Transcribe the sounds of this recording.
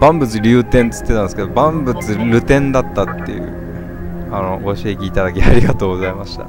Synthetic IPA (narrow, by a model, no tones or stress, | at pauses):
b̥ãmbɯ̟t͡sɨɾʲɯ̟ːt̪ẽ̞nt͡sɨ̥t̪ːet̪anesɨ̥ke̞d̪obãmbɯ̟t͡sɨɾʲɯ̟t̪ẽ̞nd̪at̪ːat̪ːe̞̰jɯ̟̰ | ano̞ɡoɕiekʲiːt̪ad̪ak̬ʲiaɾʲiɡat̪o̞ːɡo̞zaimaɕi̥t̪a̰